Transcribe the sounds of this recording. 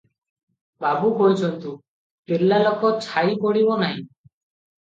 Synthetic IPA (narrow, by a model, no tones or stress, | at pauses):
babukɔɦit͡ʃʰɔnt̪u | pelːalɔkɔt͡ʃʰaipɔɽibɔnaɦḭ̃